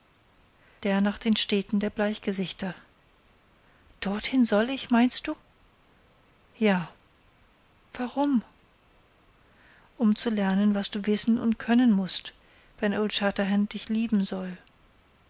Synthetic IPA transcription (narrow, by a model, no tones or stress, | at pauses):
d̥eːɐnaːχd̥eːnʃtɛːtn̩deːɐblaɪçɡ̥əzɪçtɐ | d̥ɔɐthɪnzɔlɪçmaɪnst̚d̥uː | jaː | v̥aʁʊm | ʔʊmt͡sulɛɐnənvasd̥uːvɪsn̩ʊ̰ntkʰœnənmʊst | v̥ɛnʔoltʃatɐɦɛnt̚d̥ɪçliːbm̩zɔl